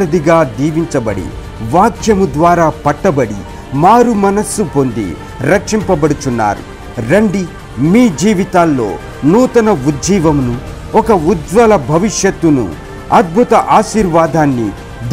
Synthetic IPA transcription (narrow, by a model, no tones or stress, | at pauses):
ɾɐd̪iɡaːd̪iːʋiɲt͡ʃɐbɐɽḭ | ʋaːkʰjɐmud̪ʋaːɾaːpɐʈːɐbɐɽi | maːɾumɐnɐsːupo̞nd̪ḭ | ɾɐkʂimpɐbɐɽut͡ʃunːa̰ːɾṵ | ɾɐɳɖi | miːd͡ʒiːʋit̪aːlːo̰ː | nuːt̪ɐnɐud̪d͡ʒiːʋɐmnu | ɔkɐud͡ʒʋɐlɐbʱɐʋiʂjɐt̪ːunṵ | ɐd̪̚bʱut̪ɐʔaːʃiːɾʋaːd̪ʱaːnːḭ | d̪